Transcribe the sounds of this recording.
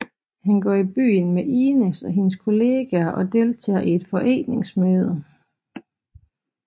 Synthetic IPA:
hænɡ̥ɒ̰ːib̥y̰ːn̩meʔiːnesɒ̽ɦe̝nəskʰo̝le̝ːɡ̥æɐʔɒ̽d̥e̝lt͡sʰɛ̰ɐʔied̥fɒ̽ʔḛːne̝ŋsmøːð̞ˠə

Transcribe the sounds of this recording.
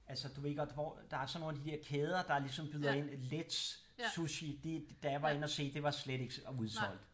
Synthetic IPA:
ælsəd̥uʋe̝eɡ̥ɒd̥ʋɒ̰d̥ɑ̈æsɒ̽no̝ːnæd̥id̥e̝ɐkʰeːð̞ˠɐd̥ɑ̈lisɒ̽mb̥yðˠɐe̝n̰led̥s | suɕid̥ed̥æjʋɑ̈e̝n̰ɒse̝̰ːd̥e̝ʋɑ̈sled̥e̝ɡ̥uð̞ˠsɒ̽l̰d̥

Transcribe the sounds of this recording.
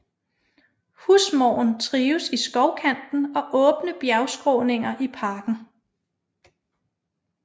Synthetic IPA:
husmɒ̰ːʊn̩t͡sʰʁiːʊsisɡ̥ɒʊkʰæn̰d̥n̩ɒ̽ʔɔ̽ːb̥nəb̥jæʊsɡ̥ʁoːne̝ŋɐʔipʰɑ̈ːɡ̥n̩

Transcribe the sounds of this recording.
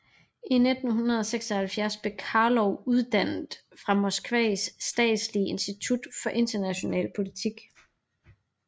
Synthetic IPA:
ined̥n̩ɦunɐð̞̩ˠɒseɡ̥sɐhælfjæɐsb̥e̝kʰɑ̈lɒʊuðˠd̥æn̰d̥ | fʁɑ̈mo̝sɡ̥ʋɛ̰ːsːd̥ɛ̰ːd̥sliəe̝nsd̥it͡sʰud̥fɒ̽ʔe̝nd̥ɐnæɕo̝nɛ̰ːlpʰo̝lit͡sʰiɡ̥

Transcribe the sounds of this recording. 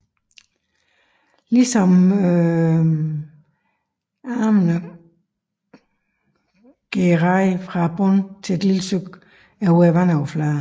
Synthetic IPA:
lisɒ̽m | ɑːmənə | ɡ̥eʁɑɪfʁɑ̈b̥ʁɔnt͡sʰe̝ed̥liləsøɡ̥ | æɐuæʋænaʊflaː

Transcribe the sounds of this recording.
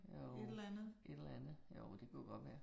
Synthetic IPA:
joedlænð̩ˠʔe̝d̥elænð̩ˠjoːd̥e̝kʰujoɡ̥ɒ̽d̥ʋæːɐ

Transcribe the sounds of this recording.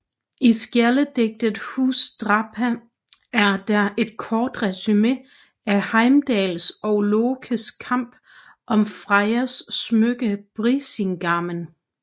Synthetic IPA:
isɡ̥jæɐləd̥eɡ̥̚d̥əð̩ˠhṵːsd̥ʁɑ̈pʰæ | æɐd̥ɑe̝d̥̚kʰɒːd̥ʁɛsyme̝ | æhɑ̈ɪmd̥ɛːlsɒ̽ʊloːkʰəskʰɑ̈m̰b̥ | ʔɒ̽mfʁɑɪɐsːmøɡ̥əb̥ʁiseŋɡ̥ɑ̈mən

